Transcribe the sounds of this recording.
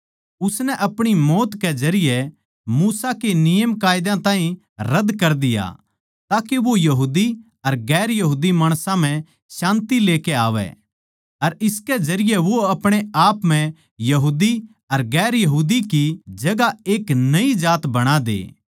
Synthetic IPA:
ʊsnɛʔɐpɽ̃imɔːt̪kɛzɐɾɪjɛ | muːsakenɪjəmkaːjd̪ãt̪ãːɦĩ | ɾɐd̪kɐɾd̪ɪja̰ | t̪aːkeʋojɐɦuːd̪i | ɐɾɡɛːɾjɐɦuːd̪imaːɽ̃sãm̤ɛ̃ | ʃãːnt̪ileːkeaːʋɛ̰ | ɐɾɪskɛd͡ʒɐɾɪjɛʋoɐpɽ̃eaːpm̤ɛ̃ | jɐɦuːd̪i | ɐɾɡɛːɾjɐɦuːd̪ikid͡ʒɐɡaeːknɐid͡ʒaːt̪bɐɽ̃ad̪ḛː

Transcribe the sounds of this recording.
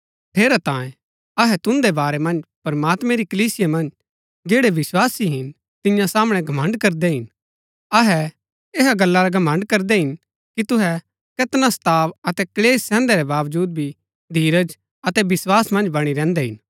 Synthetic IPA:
ʈ̪ʰeːɾat̪ãːẽ | ɐɦɛt̪ʊ̃nd̪ebaːɾɛmɐ̃nd͡ʒpɐɾmaːt̪mɛ̃ɾikɐliːsɪjamɐ̃nd͡ʒ | d͡ʒeːɽeʋɪswaːsiɦɪn | t̪ɪ̃jãsaːmɽ̃ɛɡʱɐmə̃ɳɖkɐɾd̪ɛɦɪn | ɐɦɛ | eɦaɡɐlːaɾaɡʱɐmə̃ɳɖkɐɾd̪ɛɦɪn | kit̪ʊɦɛ | kɐt̪nast̪aːʋɐt̪ɛkɐleːsːɛ̃ːnd̪ɛɾɛbaːʋd͡ʒuːd̪̚bʱi | d̪ʱiːɾəd͡ʒ | ɐt̪ɛbɪswaːsmɐ̃nd͡ʒbɐɽ̃iɾɛ̃ːnd̪ɛɦɪn

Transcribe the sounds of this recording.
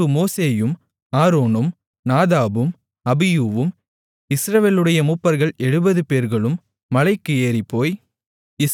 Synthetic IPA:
ɯmoːseːjɯm | aːɾoːnɯm | naːðaːbɯm | ɐbɪjuːʋɯm | ɪsɾɐʋeːlɯɽɐjɐmuːpːɐɾɣɐɭɛɻɯbɐðɯpeːɾɣɐɭɯmː | ɐlɐɪkːɯeːɾipːoːj | ɪ

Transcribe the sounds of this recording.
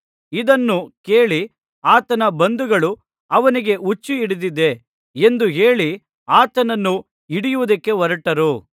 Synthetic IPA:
id̪ɐnːuke̞ːɭi | aːt̪ɐnɐbɐnd̪uɡɐɭu | ɐʋɐniɡe̞ʔut͡ʃːiːɽid̪id̪e̞ | end̪uɦe̞ːɭi | aːt̪ɐnɐnːu | iɽijuʋud̪ɐkːe̞ʋɐɾɐʈɐɾu

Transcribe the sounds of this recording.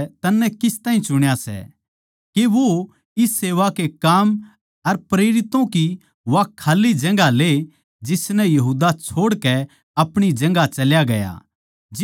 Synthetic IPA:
t̪ɐnːɛkɪst̪ãːĩt͡ʃʊɽ̃jasɛ̰ | keʋo | ɪsːeːʋakekaːm | ɐɾpɾeːɾɪt̪õki | ʋakʰːaːlːid͡ʒɐ̃ŋɡale | d͡ʒɪsnɛjɐɦuːd̪at͡ʃʰoːɽkɛ | ɐpɽ̃id͡ʒɐ̃ŋ̆ɡat͡ʃɐljaɡɐja̰ | d͡ʒ

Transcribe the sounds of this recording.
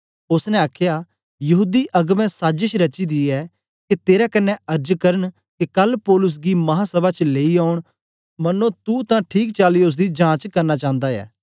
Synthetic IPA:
ʊsnɛ̃aːkʰja | jɐɦuːd̪iʔɐɡmɛ̃saːd͡ʒɪʃɾɐt͡ʃid̪iɛː | ket̪eːɾakɐnːɛɐɾd͡ʒkɐɾəɳ̃ | kekɐlpɔːlʊs̬ɡimɐɦasɐbat͡ʃleːiaːʊɽ̃ | mɐnːõt̪ut̪ãʈʰiːkt͡ʃaːliʊs̬d̪id͡ʒãːt͡ʃkɐɾnat͡ʃãːnd̪aɛ̰ː

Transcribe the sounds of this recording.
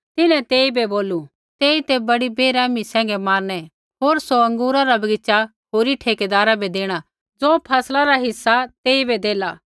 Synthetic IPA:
t̪ɪnɛ̃t̪eːibɛboːlu | t̪eːit̪ebɐɽibeːɾɛːmisɛ̃ːŋ̆ɡɛmaːɾnɛ | ɦoːɾsoɐ̃ŋɡuːɾaɾabɐɡɪt͡ʃa | ɦoːɾiʈʰeːked̪aːɾabed̪eːɽ̃a | d͡zoːpʰɛːslaɾaɦɪsːat̪eːibɛd̪eːlaː

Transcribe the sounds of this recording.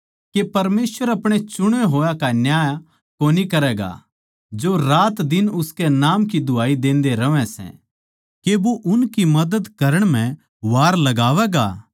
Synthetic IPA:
kepɐɾmeːsʋəɾɐpɽ̃et͡ʃʊɽ̃eɦoːjakanjaːj | koːnikɐɾɛːɡa̰ | d͡ʒoɾaːt̪d̪ɪnʊskenaːmkid̪ʱʊaːid̪ẽːnd̪eɾɐʋɛ̃sɛ̰̃ | keboʔʊnkimɐd̪əd̪kɐɾəɽ̃m̤ɛ̃ | ʋaːɾlɐɡaːʋɛːɡa̰ː

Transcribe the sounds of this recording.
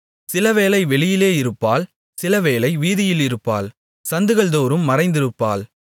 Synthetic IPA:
sɪlɐʋeːlɐɪʋɛɭɪjɪleːɪɾɯpːaːl | sɪlɐʋeːlɐɪʋiːðɪjɪlɪɾɯpːa̰ːl | sɐnd̪ɯɣɐɭd̪oːɾɯmːɐɾɐɪnd̪ɪɾɯpːaːl

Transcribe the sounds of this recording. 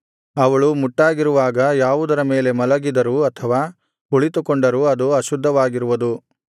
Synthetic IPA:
ɐʋɐɭumuʈːaːɡiɾuʋaːɡɐjaːʋud̪ɐɾɐme̞ːle̞mɐlɐɡid̪ɐɾuɐt̪ʰɐʋaː | uɭit̪ukoɳɖɐɾuɐd̪uɐʃud̪ʱːɐʋaːɡiɾuʋud̪u

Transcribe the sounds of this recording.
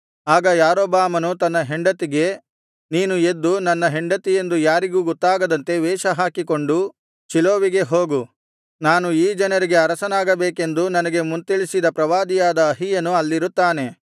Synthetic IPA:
aːɡɐjaːɾoːbaːmɐnut̪ɐnːɐɦeɳɖɐt̪iɡe̞ | niːnue̞d̪ːunɐnːɐɦeɳɖɐt̪ije̞nd̪ujaːɾiɡuːɡɔt̪ːaːɡɐd̪ɐnt̪e̞ʋɛːʃɐɦaːkiko̞ɳɖu | t͡ʃiloːʋiɡe̞ɦo̞ːɡu | naːnuiːd͡ʒɐnɐɾiɡe̞ɐɾɐsɐnaːɡɐbeːke̞nd̪unɐnɐɡe̞munt̪iɭisid̪ɐpɾɐʋaːd̪ijaːd̪ɐːɦijɐnuɐlːiɾut̪ːaːne̞

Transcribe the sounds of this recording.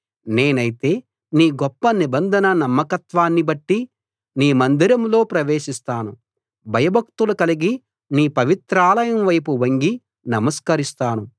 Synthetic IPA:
ne̞ːnɐjit̪e̞ː | niːɡɔpːɐnibɐnd̪ʱɐnɐnɐmːɐkɐt̪ʋaːnːibɐʈːi | niːmɐnd̪ʱiɾɐmlo̞ːpɾɐʋeːʃist̪aːnu | bʱɐjɐbʱɐkt̪ulɐkɐliɡi | niːpɐʋit̪ɾaːlɐjɐmʋɐjpuʋɐŋɡi | nɐmɐskɐɾist̪aːnu

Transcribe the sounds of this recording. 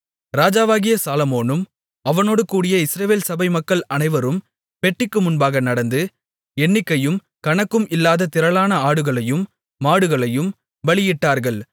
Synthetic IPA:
ɾaːd͡ʒaːʋaːɣɪjɐsaːlɐmoːnɯm | ɐʋɐnoːɽɯkuːɽɪjɐɪsɪɾɐʋeːlsɐbɐɪmɐkːɐɭɐnɐɪʋɐɾɯm | pɛʈrɪkːɯmʊnbaːɣɐnɐɽɐnd̪ɯ | ɛnːɪkːɐjɯm | kɐɳɐkːɯmʔɪlːaːðɐt̪ɪɾɐɭaːnɐaːɽɯɣɐɭɐjɯmː | aːɽɯɣɐɭɐjɯm | ʋɐɭɪjɪʈːaːɾɣɐɭ

